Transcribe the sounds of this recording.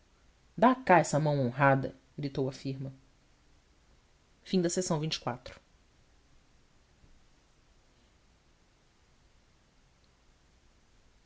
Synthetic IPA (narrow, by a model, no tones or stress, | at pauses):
d̪akaɛsɐmɐ̃w̃õɦad̪ɐ̰ | ɡɾit̪owɐfiɾmɐ | fĩd̪ɐsesɐ̃w̃vĩt͡ʃɪ̥kwat̪ɾʊ̥